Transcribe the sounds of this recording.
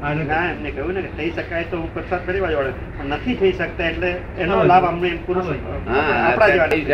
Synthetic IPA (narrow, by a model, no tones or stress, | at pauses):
aeãemnekəɦjũneket̪ʰəiʃəkajt̪oɦũpəɾsat̪̚kəɾibad͡ʒʋaɭe | pəɳnət̪ʰit̪ʰəiʃək̚t̪aeʈleː | nolabamneːmpuɾut͡ʃəikapɽad͡ʒeʋani